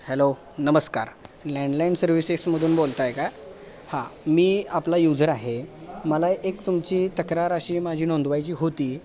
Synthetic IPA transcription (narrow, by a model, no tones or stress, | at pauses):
hɛlo | nəməska̰ɾlɛɳɖlainɖsəɾʋiseksməd̪ʱuːnbolt̪ajkaj | hãmiːaplajud͡zəɾaɦeməlaʔekt̪umt͡ɕiːt̪əkɾaɾəɕiːmad͡ʑʱiːnond̪ʋajt͡ɕiːɦot̪iː